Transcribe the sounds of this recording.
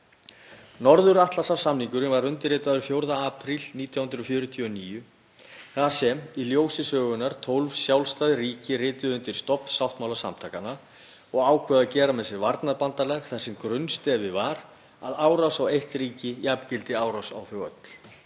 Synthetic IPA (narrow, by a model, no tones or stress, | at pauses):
nɔɾðʏɾaht̪lasavsamniŋkʏɾɪvaɾʏnt̪ɪrɪːt̪aðʏɾfjowɾðaaːpʰɾilniːt̪ʰjawhʏnd̪ɾɔfjʏːɾʏt̪ʰiɔniːjʏ | θasɛmiljoːwsɪsœːɣʏnaɾ̥t̪ʰowlvsjawlst̪aðriːcɪrɪːt̪ʏðʏnt̪ɪɾ̥st̪ɔpn̥sawht̪mawlasa̰mt̪ʰaːkana | ɔɣaːwkʰvɛːðacɛːɾamɛsɪɾvaɾt̪naɾpant̪alɛɣθasɛmkɾʏnst̪ɛvɪvaɾ | a̰ðaːwɾawsawejht̪riːcɪjapcɪlt̪ɪaːwɾawsa̰wθœɣœ̰t̪l̥